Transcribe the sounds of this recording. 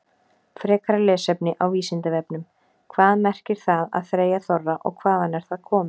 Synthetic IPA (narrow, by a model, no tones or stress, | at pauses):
fɾɛːkaɾalɛːsɛpnɪʔawviːsɪnt̪ɪvɛpnʏm | kʰvaːðmɛr̥cɪɾ̥θaða̰ðθɾeːjaθɔrːaʔɔ̰ɣkʰvaːðanɛɾ̥θaðkʰɔːmɪ